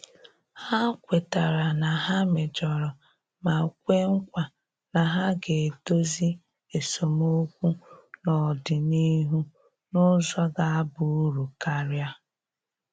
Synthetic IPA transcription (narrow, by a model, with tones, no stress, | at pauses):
ha˦kʷe˨ta˨ɾa˨na˨ɦa˦me˨d͡ʒɔ˨ɾɔ˨ | ma˨kʷe˦ŋ̩˦kʷa˨ | na˨ɦa˦ɡe˨do˦zi˦ | e˨so˨mo˦kʷu˦nɔ˨dɪ˨ni˦ɦu˦ | nʊ˦zɔ˦ɡa˨a˦bʊ˨u˦ɾu˨ka˦ɾja˦